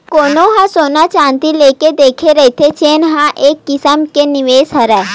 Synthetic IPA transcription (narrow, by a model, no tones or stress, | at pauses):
koːnõɦãsoːnat͡ʃãːnt̪ileːked̪eːkʰeɾɛɦk̪ʰet͡ʃeːnɦãʔeːkːɪsəmkenɪʋeːsɦɐɾɛː